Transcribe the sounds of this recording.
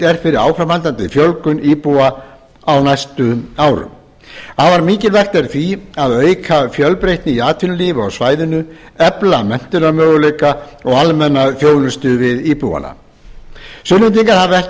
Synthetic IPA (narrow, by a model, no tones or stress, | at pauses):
ɛɾ̥fɪɾɪɾawfɾamhalt̪ant̪ɪfjœlkʏniːpua | awnajst̪ʏawɾʏ̰m | havaɾmiːcɪlvaxt̪ɛɾθviaðœːɥkʰafjœlpɾejht̪nɪiaːt̪ʰʏnʏliːvʏɔɣsvaːjðʏnʏ | ɛplamɛn̥t̪ʏnamœːɣʏlejka | ɔɣalmɛnːafjoːwnʏst̪ʏvɪðiːpuwa̰na̰ | sʏnːʏnt̪̬iŋkaɾhavɛ